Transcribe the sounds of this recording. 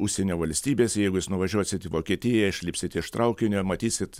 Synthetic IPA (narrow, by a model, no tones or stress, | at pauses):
ʊʃʲsʲenʲoːʋɐlʲsʲt̪ʲiːbʲeːsʲjɛɪɡʊjɪsnʊʋɐʒʲuɔsʲɪt̪ʲɪʋoːkʲiɛt̪ʲɪjɛɪʃʲlʲɪːpʲsʲɪt̪ʲɪɪʃt̪rʔɐʊkʲɪnʲʊmɐt̪ʲiːsʲɪt̪